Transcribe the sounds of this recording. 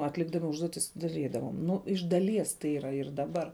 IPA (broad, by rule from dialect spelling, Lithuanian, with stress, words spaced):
ɐtʲˈlʲɪɡdɐmʲɪ ˈʊʒduɔtʲɪs dɐˈrʲiːdɐʋoːm ˈnʊ ɪʃ dɐˈlʲiɛs tɐɪ ˈiːrɐ ɪr dɐˈbɐr